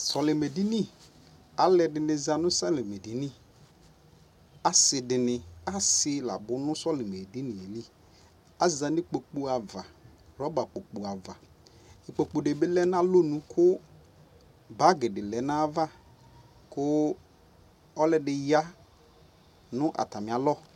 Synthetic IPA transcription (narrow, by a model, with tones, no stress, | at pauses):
sɔ˨lɪ˨me˨di˦nĩ˦˨ | a˦lɛ˦dɪ˨nɪ̃˨za˨nʊ̃˦sa˦lɪ˨me˨di˨nĩ˦ | a˦sɪ˨dɪ˨nɪ˨a˦sɪ˨la̰˨bʊ˨˦nʊ̃˦sɔ˦lɪ˨me˨di˦nɪ˨e˨li˦ | a˦za˨nɪ˦k͡po˨k͡pu˦a˨va˨ɾɔ˨˦ba˨k͡po˨k͡pu˨a˨va˨ | ɪ˨k͡po˨k͡po˨ɖe˨bɪ˦lɛ˦na˦lo˦nũ˦kʰʊ˦ | ba˦ɡɪ˨dɪ˨lɛ˨˦nã˦va˦ | kʊ˦ | ɔ˦lɛ˦dɪ˨ja˦ | nʊ̃˦ʔa̰˨ta˨mɪ̃˨a˨˦lɔ˦